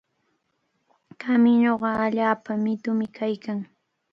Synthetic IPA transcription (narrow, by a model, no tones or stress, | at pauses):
kamɪɲoɢɑaʎaːpamɪt̪ʊmɪkʰajkaŋ